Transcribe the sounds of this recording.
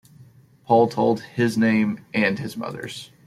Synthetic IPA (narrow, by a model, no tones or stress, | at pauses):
pʰɔlˠtʰoʊlˠd̚ɪznẽɪ̃mʔɨ̃nɨzmʌ̰ðə̰˞z̥